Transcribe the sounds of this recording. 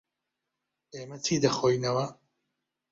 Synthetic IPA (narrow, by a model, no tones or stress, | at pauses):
eːmɐtʰiːd̪ɐxojnɐwɐ